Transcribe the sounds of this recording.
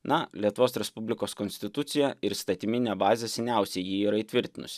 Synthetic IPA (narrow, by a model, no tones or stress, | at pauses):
nɐlʲiɛt̪ʊʋoːsɾʲɛspʊbʲlʲɪkoːskɔnʲsʲt̪ʲɪt̪ʊt̪sʲɪjɛɪɾst̪ɐt̪ʲɪmʲɪnʲɛbɑːzʲɛsʲɛnʲæˑʊsʲɛɪjiːiːɾɐiːt̪ʲʋʲɪɾʲt̪ʲɪnʊ̰sʲɪ̥